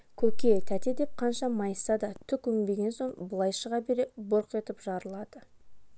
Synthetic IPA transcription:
kʲʰɵkʲe̞t̪ʰæt̪e̞d̪e̞p̚qʰɑnʃɑmɑjsɑd̪ɑt̪ʰʏkʏŋbe̞ɡʲe̞nso̞ɴbəlˠɑjʃəʁɑbe̞ɾe̞boɾqe̞t̪ɪpʒɑɾəlˠɑd̪̥ə

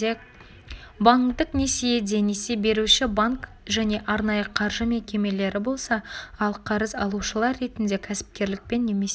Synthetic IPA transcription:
baŋkt̪əqne̞sejed̪e̞nesebe̞ɾuʃɪbaŋk | ʒæne̞ʔɑɾnɑjəqʰɑɾʒəme̞kʲe̞me̞le̞ɾɪbo̞lˠsɑɑlˠqʰɑɾəzɑlˠuʃəlˠɑɾːe̞t̪ɪnd̪e̞kʲʰæsɪ̥p̚kʲe̞ɾlɪk̚pe̞nːe̞me̞s

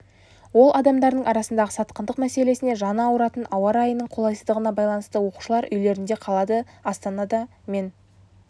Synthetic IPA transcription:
wo̞lˠʔɑd̪ɑmd̪ɑɾd̪əɴɑɾɑsənd̪ɑʁəsɑt̪qənd̪əqmæse̞le̞sɪne̞ʒɑnəɑwəɾɑt̪ənɑwɑɾɑjənəɴqʰo̞lˠɑjsəzd̪əʁənɑbɑjlˠɑnəst̪əwo̞qu̥ʃəlˠɑɾʔʏjle̞ɾɪnd̪e̞qʰɑlˠɑd̪əɑst̪ɑnɑd̪ɑ | me̞n

